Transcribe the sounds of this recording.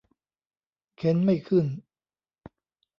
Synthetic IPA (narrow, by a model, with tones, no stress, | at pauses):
kʰe˨˦˥nma˥˩jkʰɯ˥˩n